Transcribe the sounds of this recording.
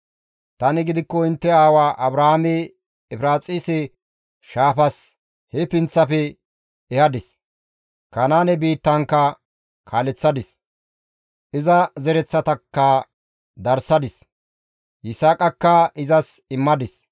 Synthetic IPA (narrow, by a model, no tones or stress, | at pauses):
t̪ɐnɪɡɪd̪ɪkːɔɪnt̪ːɛaːwaːʔɐbɾɐhamɛː | fɾaːt͡sʼiːsɛ | ʃaːfɐs | hɛpɪnt͡sːɐpɛ | ɛhɐd̪ɪs | kɐnaːnɛbiːt̪ːɐŋkːɐ | kʰaːlɛt͡sːɐd̪ɪs | ʔɪzɐzɛɾɛt͡sːɐt̪ɐkːɐ | d̪ɐɾsɐd̪ɪs | ʔɪsaːkʼɐkːɐʔɪzɐsɪmːɐd̪ɪs